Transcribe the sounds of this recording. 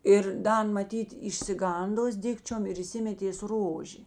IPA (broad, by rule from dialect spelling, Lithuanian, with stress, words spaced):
ˈɪr ˈdɐ ˈɐn mɐˈtʲiːt ɪʃʲsʲɪˈɡɐndoːs ˈdʲɪkt͡ʃʲoːm ɪr iːˈsʲɪmʲɛtʲeːs ˈroːʒʲeː